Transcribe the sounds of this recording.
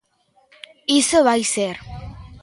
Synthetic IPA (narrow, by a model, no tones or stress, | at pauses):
isoβajseɾ